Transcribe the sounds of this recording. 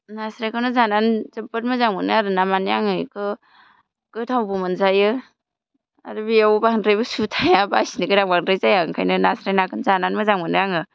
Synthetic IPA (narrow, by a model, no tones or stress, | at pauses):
nasɾajkʰawnɯzananzɯpɯɾmɯzaŋɯnaɾɯnamanjaŋɯjkʰɯ | ɡ̥ɯtʰawbumɯnzajɯ | a̰ɾɯbiawbaŋɾajbɯsutʰajabajsinikɯɾaŋbaŋdɾajzajaŋkʰajnɯnasɾajnakʰɯnzananmɯzaŋɯnɯjaŋɯ